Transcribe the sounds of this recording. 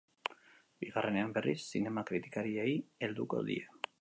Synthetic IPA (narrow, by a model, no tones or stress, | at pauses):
biɣarʔe̞ne̞ambe̞rḭsːine̞makɾit̪i̥kaɾieie̞ld̪uko̞̰ðḭe